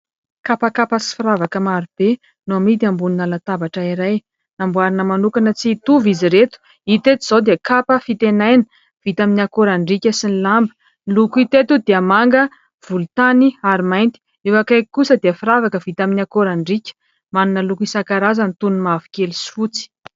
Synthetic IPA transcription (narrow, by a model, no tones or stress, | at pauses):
kapakapasi̥fiɾavakəmaɾub̥e | nuamit̪̬iambuninalat̪abaʈ͡ʂəiɾaj | nambuaɾinəmanukanət͡sit̪uviziɾet̪u̥ | it̪et̪uz̥ad̪eəkapəfit̪enajnə | v̥it̪aminiakoɾaɳɖ͡ʐikʲəsinilambə | lukit̪et̪ud̪eəmaŋɡə | v̥ulut̪aniaɾimajnt̪i̥ | ewakajkusəd̪iəfiɾavakəvit̪aminiakoɾaɳɖ͡ʐikʲə̥ | manunəlukisakaɾazanit̪unumavi̥kʲelisi̥fut͡si̥